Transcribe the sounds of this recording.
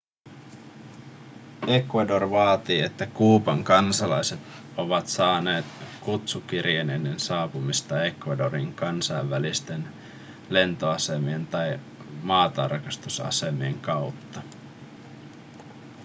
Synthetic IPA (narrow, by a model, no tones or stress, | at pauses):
e̞kʋɑdo̞rʋɑːt̪iːe̞t̪ːækuːpɑŋkɑnsɑlɑjse̞t̪ | o̞ʋɑt̪sɑːne̞ːt̪kut̪suk̟irjenenːensɑːpumist̪ɑe̞kʋɑdo̞ɾiŋkɑnsɑjʋːælist̪e̞n | le̞nt̪o̞ɑsemie̞nt̪ɑj | mɑːt̪ɑ̰rkɑst̪usɑ̰se̞mieŋkɑwt̪ːɑ